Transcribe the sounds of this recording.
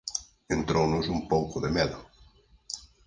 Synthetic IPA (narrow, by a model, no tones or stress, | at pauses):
ent̪ɾownʊsumpowkʊðemɛðʊ